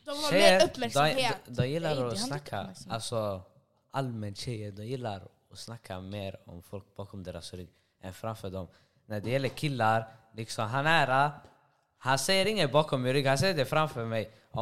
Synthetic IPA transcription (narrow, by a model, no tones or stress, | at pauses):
ʃɛəɾd̪ɔd̪ɔmjɪlːaɾɔsnakʰːa̰alsɔ | ʔalmɛnt̪ɕɛjəd̪ɔmjɪlːa̰ɾ | ɔsnakʰːameːɾɔ̰mfɔlk̚bɑːkʰɔmd̪ɛːɾa̰sɾʏɡ | ɛnfɾamfœɖɔm | næɖɛjɛlːəɾkʰɪlːaɾlɪksɔmɦanæɾa | hansɛjəɾɪŋːənbɑːkʰɔmːɪɾʏɡhansɛjːəɖɛfɾamfœɾmɛj | ɔ